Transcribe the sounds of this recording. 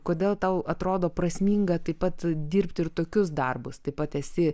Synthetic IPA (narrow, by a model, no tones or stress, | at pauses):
koːd̪ʲeːlˠt̪ɐʊɐt̪ɾoːd̪oːprɐsʲmʲiːŋɡɐt̪ɐɪpɐt̪d̪ʲiːɾʲpt̪ʲɪrt̪oːkʲʊs̬d̪ɐrbʊst̪ɐɪpɐt̪ɛsʲɪ